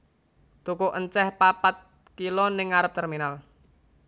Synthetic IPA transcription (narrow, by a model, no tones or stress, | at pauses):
t̪ukʊʔəɲt͡ʃɛhpapat̪̚ | kilonɪŋaɾəp̚t̪ɛrminal